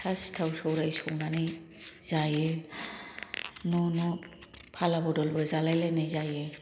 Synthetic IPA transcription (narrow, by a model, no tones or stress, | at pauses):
sastʰawsɔwɾajsɔmani | z̥ajɛ | nɔnɔpʰalabɔdɔlbɛzalajlanazajɛ